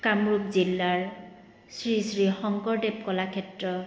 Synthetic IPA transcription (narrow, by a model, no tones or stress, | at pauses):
kamɹupzilːaɹ | sɹisɹixɔŋkɔɹdep̚kɔlakʰɛtɹɔ